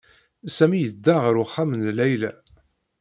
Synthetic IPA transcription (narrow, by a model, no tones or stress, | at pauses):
sæmijəd̪ːaʁɾʊχamənlæjlæ